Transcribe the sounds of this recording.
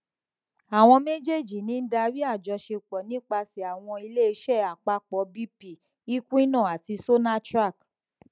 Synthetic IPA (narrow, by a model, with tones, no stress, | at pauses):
a˨w̃ɔ̃˧me˦d͡ʒe˦˨d͡ʒi˨nĩ˨˦n̩˦da˧ɾi˦a˦˨d͡ʒɔ˧ʃe˧k͡pɔ˨nĩ˦k͡pa˧si˨a˨w̃ɔ̃˧i˧le˦i˧ʃɛ˦˨a˨k͡pa˨˦k͡pɔ˨˦bi˦pi˨ | i˦kũ˦i˦nã˦˨a˨ti˧so˦na˦tɾa˦˨k